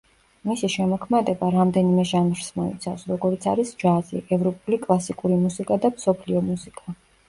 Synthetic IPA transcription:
misiʃɛmɔkʰmad̪ɛbaɾamd̪ɛnimɛʒanvɾsmɔḭt̪sʰafsɾɔɡɔɾit̪sʰaɾisd͡ʒazḭʔɛvɾɔpʼulikʼlˠasikʼuɾimusikʼad̪amsɔpʰliɔmusikʼa

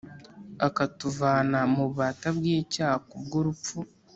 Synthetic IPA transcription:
akatuvaːnamuβaːtabɡiːcaːhakubɡuɾup̪fu

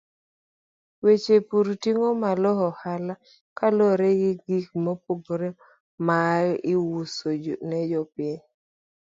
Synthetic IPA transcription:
wet͡ʃepuɾtiŋomalɔhɔhala | kalɔɾeɡɪɡik̚mopoɡɾe | majʔɪwusod͡ʒonɛd͡ʒɔpɪɛɲ

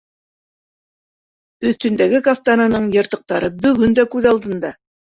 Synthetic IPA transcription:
ɵ̆θt̪ɵ̆nd̪æɡɘkaft̪anɤ̆nɤɴjɤ̆ɾt̪ɤ̆q̚t̪ɑɾɤbɵ̆ɡɵnd̪ækʉðɑlˠd̪ɤ̆nd̪ɑ

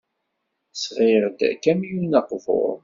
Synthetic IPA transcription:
sʁɪɾd̪æ̰kæmijunɑqvʊ̰ɾˤ

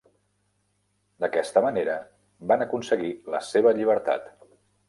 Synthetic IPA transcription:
d̪əkɛst̪əməneɾə | banəkunsəɣiləseβ̞əʎiβ̞əɾt̪a̰t̪

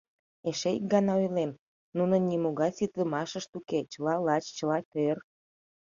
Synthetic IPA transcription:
eʃeik̚ɡɑnɑojlem | nunənʲimoɣɑjsit̪ləmɑʃəʃt̪uket͡ɕəlɑlɑt͡ɕt͡ɕəlɑkør

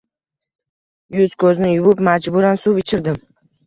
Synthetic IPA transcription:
jʊz̥kʰɵznɪjʊvʊpmad͡ʒbʊɾansuvɪt͡ʃʰɪɾd̪ɪm

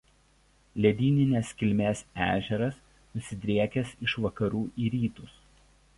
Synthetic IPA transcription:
lʲɛd̪ʲiːnʲɪnʲeskʲɪlʲmʲeːsæ̰ːʒʲɛɾɐs | nʊsʲɪd̪ʲɾʲiɛkʲɛsɪʃʋɐkɐɾuːʔiːɾʲiːt̪ʊs

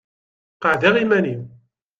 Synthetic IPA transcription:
qɑʕðiʁimænim

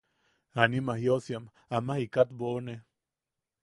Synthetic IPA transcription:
animahjosjam | amahikat̪bone

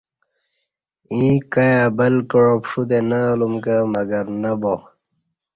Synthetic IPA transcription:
ĩkɐjabɐlkəɻopʂud̪enɐːlumkamɐɡɐɾnɐbo

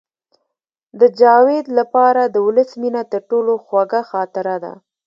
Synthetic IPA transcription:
d̪əd͡ʒɑwed̪lapɑɾad̪əwʊləsminat̪əɾʈoloxwaɡaxɑt̪ɪɾad̪a̰

